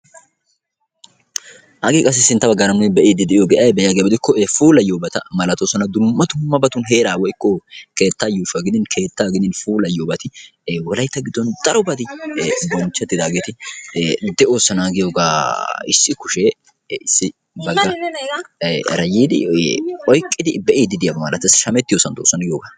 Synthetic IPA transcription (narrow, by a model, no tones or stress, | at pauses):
hɐɡiːkʼɐs̬ːɪsːɪnt̪ːɐbɐɡaːɾɐmʊnɪbɛʔiːd̪ɪd̪ɛʔɪjoːɡɛʔɐjbɛjaɡebɪd̪ɪkːɔefuːlɐjoːbɐt̪ɐmɐlɐt̪oːsɔnɐd̪ʊmːɐt̪ʊmːɐbɐt̪ʊnɦe̞ːɾaːwɔɪkːɔke̞ːt̪ːaːjuːʃɐɡɪd̪ɪnkʰe̞ːt̪ːaːɡɪd̪ɪnfuːlɐjoːbɐt̪ɪwɔlɐjt̪ːɐɡɪd̪ːɔnd̪ɐɾɔbɐd̪ɪbɔnt͡ʃːɛt̪ːɪd̪aːɡeːt̪ɪ | d̪ɛo̞ːsːɐnaːɡɪjoːɡaːɪsːɪkʊʃe | ɪsːɪ | bɐɡːɐ | ɾɐjiːd̪ɪ̰ʔɔjkʼːɪd̪ɪbɛʔiːd̪ɪd̪ɪjabɐmɐlɐt̪ːɐsʃɐmɛt̪ːɪjoːsɐnt̪oːsɐnɡɪjoːɡaː